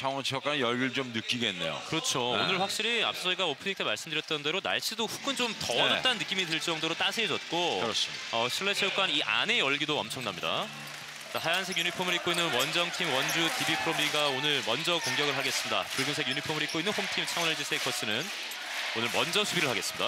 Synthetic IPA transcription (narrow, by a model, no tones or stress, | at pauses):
t͡ɕʰaŋʌnt͡ɕʰeok͈anjʌɭɡɯɭt͡ɕomnɯk͈iɡe̞nːe̞̰jo̰kɯɾʌt͡ɕʰoonɯɭɸwak̚ɕ͈iɾia̰p̚s͈ʌsʰʌiɡaopʰɯniŋtʰemaɭs͈ɯmdɯɾjʌt͈̚ʌnde̞ɾona̰ɭɕʰidoɸu̥ɡʰɯnt͡ɕomtʌʌt͈anːɯk͈imiteɭt͡ɕ͈ʌŋdoɾot͈asʰed͡ʑʌt̚k͈oɯɾʌsʌsʰiɭːet͡ɕʰejok͈aniʔa̰ne̞ʌɭɡidoʌmt͡ɕʰʌŋnamɲida̰ | t͡ɕasʰajansʰeɡjuɲipʰomɯɾik͈oinːɯnwʌnd͡ʑʌŋtʰimwʌnd͡ʑutibipʰɯɾomiɡaonɯɭmʌnd͡ʑʌkoŋɡjʌɡɯɭɦaɡe̞s͈ɯmɲida̰pɯɭɡɯns̬ʰeɡjuɲipʰomɯɾik͈oinːɯnhomtʰimt͡ɕʰaŋwʌned͡ʑisʰekʰʌs͈ɯnɯn | onɯɭmʌnd͡ʑʌsʰubiɾɯɭhaɡe̞s͈ɯmɲid̥a̰